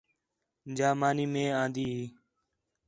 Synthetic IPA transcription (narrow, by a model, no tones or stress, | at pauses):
d͡ʒaːmaːniːmẽːãːnd̪iːɦiː